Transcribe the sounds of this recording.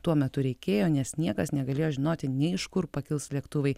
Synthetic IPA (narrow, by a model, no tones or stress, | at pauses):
t̪uɔmʲɛt̪ʊɾʲɛɪkʲeːjoːnʲɛsnʲiɛkɐsnʲɛɡɐlʲeːjoːʒʲɪnoːt̪ʲɪnʲɛɪɪʃkʊrpɐkʲɪlˠslʲiɛkt̪ʊʋɐɪ